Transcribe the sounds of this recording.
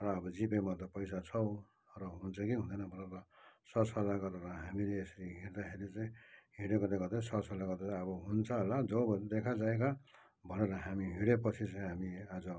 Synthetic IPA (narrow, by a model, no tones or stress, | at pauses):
rʌːbʌd͡zipemat̪ʌpʌjs̬at͡sʰʌw | rʌɦunt͡sʰʌkiɦũnd̪ʌnʌbʱʌneɾʌsʌsʌlaɡʌreɾʌɦamileːsʌɾiɦiɾd̪akʰeɾit͡saĩɦiɽeɡʌrd̪eɡʌd̪esʌsʌlaɡʌrd̪et͡saʌbʌɦunt͡sʰʌɦolad͡zʌbd̪ekʰad͡zaek̬a | bʱʌneɾʌɦamiɦiɾepʌt͡sʰit͡saĩɦamiad͡zʌ